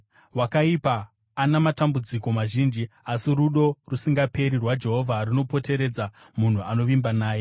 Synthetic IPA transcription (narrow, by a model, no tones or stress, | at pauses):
wakaipaː | namatambud͡ziko̞maʒiːnd͡ʒiasiɾuɗo̞rusiŋɡape̞ɾirwad͡ʒe̞ɦo̞vʱarino̞po̞te̞ɾe̞d͡za | mun̤uano̞ʋimbanaːje̞